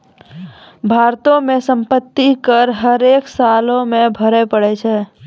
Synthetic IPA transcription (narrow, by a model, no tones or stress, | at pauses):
bʱaɾt̪õmẽsə̃mpət̪ːikəɾɦəɾeksalõmẽbʱəɾepəɽɛt͡ʃʰɛː